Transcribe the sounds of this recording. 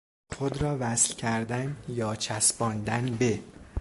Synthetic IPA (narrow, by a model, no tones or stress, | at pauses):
xod̪ɾɒːvæslcʰæɾd̪ænjɒːt͡ʃʰæsbɒːnd̪ænbe